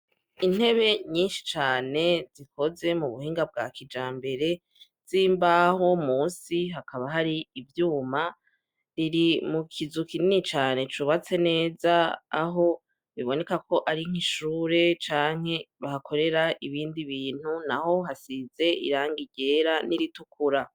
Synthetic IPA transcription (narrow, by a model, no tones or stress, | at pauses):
in̥he̞βe̞ɲiːnʃi̥t͡ʃaːne̞zikʰo̞ze̞muβuhiːŋɡab̚ɡa̰kʰid͡ʒaːmbe̞ɾe̞ | z̥iːmbaho̞muːnsiɦakaβaɦaɾiːvjuːma | ɾiɾimukʰizukininit͡ʃaːne̞t͡ʃuβat͡se̞ne̞ːza̰ːɦo̞ | βiβo̞ne̞kakʰo̞ʔaɾiŋ̥iʃuːɾe̞t͡ʃaːŋ̥he̞βahakʰo̞ɾe̞ɾaʔiβiːndiβiːn̥hunaho̞ɦasize̞ḭɾaːŋɡiɟe̞ːɾaniɾitukuɾa